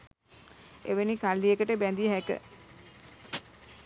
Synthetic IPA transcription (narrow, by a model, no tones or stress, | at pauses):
eʋenikalːijekəʈəbænd̪iɦækə̰